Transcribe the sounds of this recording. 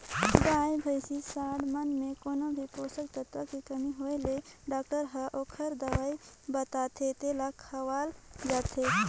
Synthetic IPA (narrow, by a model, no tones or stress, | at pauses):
daːjbʱəjsisaːɽmənmẽkonobʱipoːsəkt̪ət̪əkikəmiɦoeleɖaːk̚ʈəɾɦəʔoːkʰəɾd̪əʋaːibət̪aːt̪ʰet̪elakʰəʋaːld͡ʒaːt̪ʰe